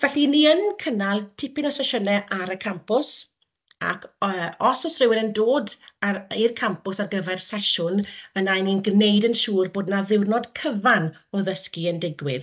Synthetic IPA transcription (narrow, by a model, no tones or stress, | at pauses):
vɛɬiniənkʰənalˠtʰɪpɪnɔsɛʃənɛʔaɾəkʰampʊs | a̰kʰəɔsɔsrɪwɪɾəndoːdairkʰampʊsarɡəvɛrsɛʃʊnənajninɡnejdənʃuːrboːdnaðɪwrnɔd̥kʰəvan | ɔðəskiəndɪɡwɪ̰ð